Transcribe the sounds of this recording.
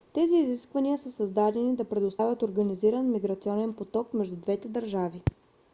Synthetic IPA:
t̪ɛziːziskvɐniəsəsɐzd̪ad̪ɛnid̪ɐpɾɛd̪ʊst̪avʲət̪oɾɡəniziɾənmiɡɾɐt̪siɔnɛnpot̪ɔkmɛʒd̪ud̪vɛt̪ɛd̪ɐɾʒavi

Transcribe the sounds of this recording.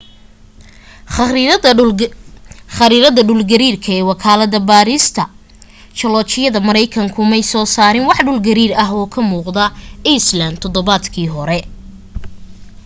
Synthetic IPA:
χɐɾiːɾɐðɐɖʊlɡɐɾiːrkʰɐɛːwɑkʰaːlɐðɐbaːɾist̪ʰɐ | t͡ʃɐlɔːt͡ʃɪjɐðɐmɐɾɛjkʰɐŋkʰʊmɛjsɔːsaːɾɪnwɑħɖʊlɡɐɾiːɾɐɦɔːkʰɐmuːqd̪ɐʔiːslɐnd̪t̪ʰɔðɔβaːd̪kʰiːɦɔɾɛ

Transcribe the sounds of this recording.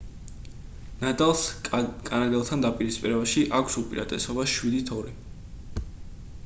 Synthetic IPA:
nad̪ʼalˠskʼanad̪ɛlˠt̪ʰand̪apʼiɾispʼiɾɛbaʃiʔakʷʰsupʼiɾa̰t̪ʼɛsɔbaʃwid̪it̪ʰɔɾi

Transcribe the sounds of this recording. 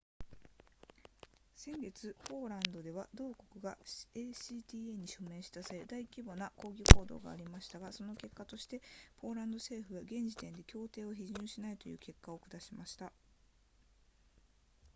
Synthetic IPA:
sẽ̞ŋɡe̞t͡sɨpo̞ːɾãnd̪o̞d̪e̞β̞ad̪o̞ːko̞kɯ̟ɡaeːsiːt̪ʲiːe̞ɲ̟iɕo̞mẽ̞ːɕi̥t̪asaed̪aikʲibo̞nako̞ːɡʲiko̞ːd̪o̞̰ːɡa̰ːɾʲimaɕi̥t̪aɡaso̞no̞ke̞kːat̪o̞ɕi̥t̪e̞po̞ːɾãnd̪o̞se̞ːɸɯ̟βaɡẽ̞ɲ̟d͡ʑit̪ẽ̞nd̪e̞kʲo̞ːt̪e̞ːoçiʑɨ̃ɰ̃ɕinait̪o̞jɯ̟̰ːke̞kːaokɯ̟d̪aɕimaɕi̥t̪a

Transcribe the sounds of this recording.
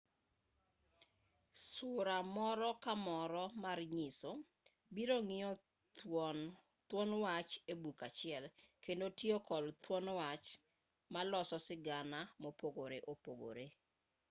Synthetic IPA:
sʊɾamɔɾɔkamɔɾɔmarɲɪso | biɾoŋɪɔ | t̪wɔnwat͡ʃebukat͡ʃɪɛlkendotiokɔlt̪wɔnwat͡ʃ | malɔsɔsɪɡanamopoɡoɾeʔopoɡo̰ɾe

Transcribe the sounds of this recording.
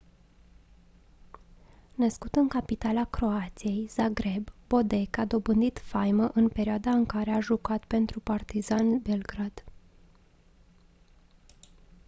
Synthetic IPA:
nəskut̪ɨŋkapit̪alakɾo̞at̪sije̞jz̥aɡɾe̞bbo̞d̪e̞kad̪o̞bɨnd̪it̪fajməʔɨnpe̞ɾʲioad̪aɨŋkaɾe̞aʒukat̪pe̞nt̪ɾupart̪izanbelɡɾad̪̥

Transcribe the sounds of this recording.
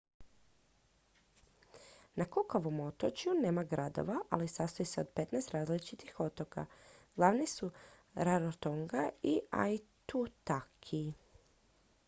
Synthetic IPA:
nakukoʋo̞mo̞t̪ot͡ʃjune̞ːmaɡɾad̪o̞̰ʋaʔa̰lisast̪ojeseod̪̚pe̞t̪nɛst̪ɾaːzlit͡ʃit̪ixo̞t̪o̞ka̰ɡ̥lˠaʋnisuɾaɾot̪oŋɡaia̰jt̪ut̪akʰi

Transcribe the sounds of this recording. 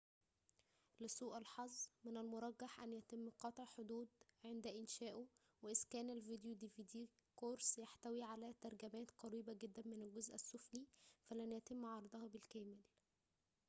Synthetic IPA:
lɪsˤuːʔælħɑzˤːmɪnælmʊɾˤɑɡːɑħʔænjæt̪emːqɑt̪ˤʕħod̪uːd̪ʕend̪æʔɪnʃæːʔo | weʔɪskæːnælvid̪jud̪iviːd̪iːkoɾsjaħt̪æwiːʕalæt̪ɑɾˤɡæmæːt̪qɑɾiːbæɡed̪ːænmɪnælɡozʔæsːʊflifælænjæt̪ɪmːʕɑɾˤɑd̪ˤɑhɑbɪlkæːmɪl

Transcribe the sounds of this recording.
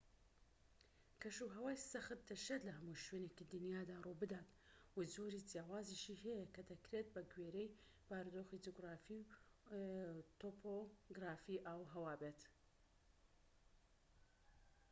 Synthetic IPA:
kʰɐʃuɦɐwaːjsɐxɨt̪̚d̪ɐʃɐt̪lɐhɐmuʃwenekid̪ɨnjaːd̪aːrubɨd̪aːt̪ | wazoːɾid͡zjaːwaːziʃihɛjɐkʰɐd̪ɐkɾet̪̚bɐɡweɾej | b̥aːɾd̪oːxid͡ʒoɡɾaːfiw | t̪opʰoɡɾaːfiʔaːwɦɐwaːbeːt̪

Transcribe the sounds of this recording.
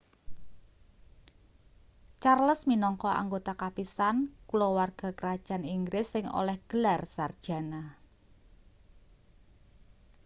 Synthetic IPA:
t͡ʃarləsminɔŋkɔa̰ŋɡot̪akapisankulowarɡ̥a̤kəɾad̥ʒ̥a̤niŋɡɾɪsːɪŋo̰lɛhɡ̥əlarsard̥ʒ̥a̤na

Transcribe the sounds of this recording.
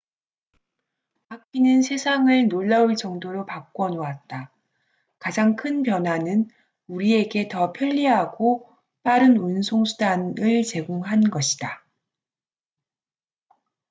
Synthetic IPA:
akʰinɯnsʰe̞sʰaŋɯɭnoɭːauɭt͡ɕʌŋdoɾopak͈̚wʌnoat̚t͈a | kad͡ʑaŋkʰɯnpjʌnɦwanɯn | uɾie̞ɡe̞tʌpʰjʌʎːiɦaɡo | p͈aɾɯnunsʰoŋsʰudanɯɭt͡ɕe̞ɡoŋɦanɡʌɕʰi̥d̥a

